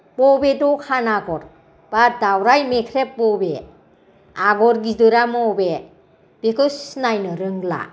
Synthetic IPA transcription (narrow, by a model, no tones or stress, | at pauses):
pɔbedɔkʰanaɡɔɾ | b̥adawɾajmekʰɾepːɔbe | aɡɔɾɡidɯɾamɔbe | b̥ekʰɯsnajnɯɾɯŋla̰